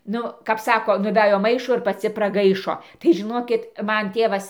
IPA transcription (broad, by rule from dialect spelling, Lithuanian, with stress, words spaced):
ˈnʊ kɐp ˈsɑːkoː nʊˈʋʲæjoː ˈmɐɪʃoː ɪr pɐˈt͡sʲɪ prɐˈɡɐɪʃoː tɐɪ ʒʲɪˈnoːkʲɪt ˈmɐn ˈtʲeːʋɐs